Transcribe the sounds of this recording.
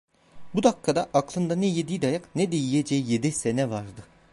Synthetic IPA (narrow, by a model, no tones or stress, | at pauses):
bud̪akʰːad̪aʔaklˠɯnd̪anɛjed̪ijd̪ajaknɛd̪ejijed͡ʒɛjijed̪isenɛvaɾd̪ɯ